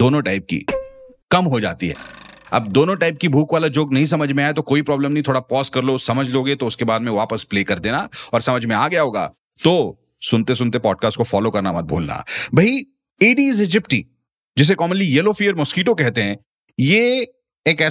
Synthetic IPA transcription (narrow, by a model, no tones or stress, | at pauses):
d̪oːnõʈaːɪp̚kḭ | kɐmɦod͡ʒa̰ːt̪ḭɦɛ̰ːɐ̰b̚d̪oːnõʈaːɪp̚kibʱuːkʋaːlad͡ʒoːɡnɐɦĩs̬ɐməd͡ʒʱmẽaːet̪okoːipɾɔːbləmnɐɦĩt̪ʰoːɽapɔːskɐɾlosɐməd͡ʒʱloːɡet̪oʊskebaːd̪mẽʋaːpəspleːkɐɾd̪eːnaɔːɾsɐməd͡ʒʱmẽaːɡɐjaɦoːɡa̰ː | t̪oː | sʊnt̪es̬ʊnt̪epɔːɖ̚kaːsʈ̚kofɔːlokɐɾnamɐt̪̚bʱo̰ːlna̰bʱɐi | eːɖiːzed͡ʒɪpʈḭ | d͡ʒɪs̬ekɔːmənlijɛːlofiːəɾmʊskiːʈ̬okɛɦt̪eɦɛ̃ː | jeː | eːkɛː